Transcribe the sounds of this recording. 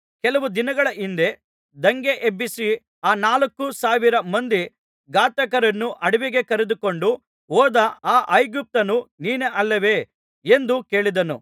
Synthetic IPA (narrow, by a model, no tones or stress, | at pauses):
kɛlɐʋud̪inɐɡɐɭɐʔind̪e̞ | d̪ɐŋɡe̞ʔebisi | aːnaːlɐkːusaːʋiɾɐmɐnd̪i | ɡaːt̪ɐkɐɾɐnːuʔɐɽiʋiɡe̞kɐɾed̪uko̞ɳɖu | ɔːd̪ɐaːʔɐjɡup̚t̪ɐnuniːneʔɐlːɐʋe̞ː | end̪uke̞ːɭid̪ɐnṵ